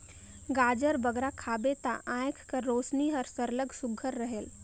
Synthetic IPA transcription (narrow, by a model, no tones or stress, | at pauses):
ɡaːd͡ʒəɾbəɡɾakʰaːbet̪a̰ʔãːjkʰkəɾoːsniɦəɾsəɾləɡsʊɡʱəɾːəɦel